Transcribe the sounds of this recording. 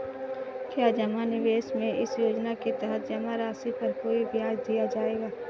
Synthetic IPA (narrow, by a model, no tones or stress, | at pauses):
kjaːd͡ʒɐmanɪʋeːʃmẽɪsjoːd͡ʒnaket̪əɦət̪̚ʰd͡ʒɐmaɾaːsipɐɾkoːibjaːd͡ʒd̪ijad͡ʒaːeːɡaː